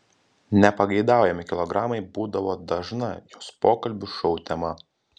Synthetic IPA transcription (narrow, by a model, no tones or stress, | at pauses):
nʲɛpɐɡɐɪd̪ɑˑʊjɛmʲɪkʲɪlˠɔɡɾɑːmɐɪbuːd̪ɐʋoːd̪ɐʒnɐjoːspoːkɐlʲbʲʊʃɔʊt̪ʲɛmɐ